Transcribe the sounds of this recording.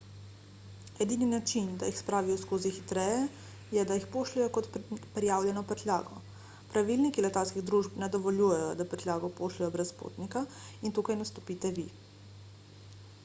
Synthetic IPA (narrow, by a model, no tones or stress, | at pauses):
ɛd̪ininat͡ʃind̪ajixspɾaːʋijɔskoːzixit̪ɾɛːjɛ | jɛd̪ajixpoːʃlɛjɔkɔt̪ppɾijaːwljɛnɔpɾɛt̪lʲja̰ːɡɔ | pɾaʋilnikilɛt̪alskiɣd̪ɾuʒpnad̪ɔʋɔljuːjɛjɔd̪apɾɛt̪lʲjaːɡɔpoːʃlɛjɔbɾɛspo̰t̪nikaint̪ukajnast̪ɔ̥piːt̪ɛʋi